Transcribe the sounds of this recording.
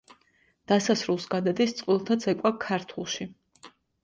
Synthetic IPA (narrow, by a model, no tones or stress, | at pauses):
d̪̥asasɾulˠsɡad̪ad̪ist̪sʼqʼwilˠt̪ʰat̪sʰɛkʼwakʰaɾt̪ʰulˠʃi